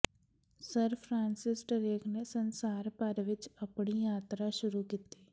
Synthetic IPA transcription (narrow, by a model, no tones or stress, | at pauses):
səɾpʰɾaːnsɪsʈəɾeːkneːsənsaːɾpəɾʋɪt͡ʃəpɳ̃iːjaːt̪ɾaːʃʊɾuːkit̪eː